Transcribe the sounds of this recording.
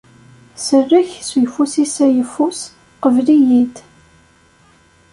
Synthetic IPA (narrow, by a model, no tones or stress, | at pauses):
sərːiçsujfusisæjəfːus | qəvlijid̪